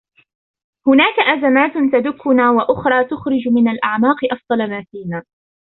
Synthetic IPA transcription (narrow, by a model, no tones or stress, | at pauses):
hʊnaːkaʔazamaːt̪t̪ad̪ʊkʰːʊnaːwaʔʊxɾˤɑːt̪ʊxɾɪd͡ʒmɪnalʔaʕmaːqɨʔɑfd̪ˤɑlmaːfiːnaː